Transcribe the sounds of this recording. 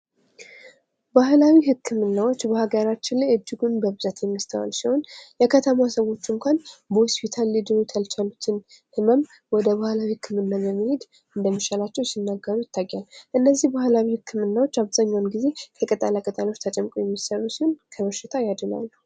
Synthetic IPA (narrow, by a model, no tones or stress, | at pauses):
bahlawihɨkʰːɨmɨnːawo̞t͡ʃːbəhaɡəɾat͡ʃːɪnlajɨd͡ʒːɪɡunbəbɨzat̪jɛmːəst̪ʰəwa̰lsiho̞njɛkʰət̪ʰəmasəwo̞t͡ʃːɨŋkʷʰanbəhospʰit̪ʰalːid̪ɨɾut̪ʰəlt͡ʃʰalut̪ʰɨn | hɨməm | wɔd̪əβahlawihɨkʰːɨmɨnːaβəɾməhed̪ | ɨnd̪əmːit͡ʃalat͡ʃːɛwsinːaɡːəɾujɪt̪ʰːajːalʔɨnːəzːihbahlawihɨkʰːɨmɨnːawot͡ʃːaβzaɲːawnɡize̞k̪ʰəkʼət̪ʼalakʼət̪ʼalo̞t͡ʃːt̪ʰət͡ʃʼɛmːkʼojɛmːisərːusiho̞nkʰəβəʃːɪt̪ʰajad̪ɨna̰lːu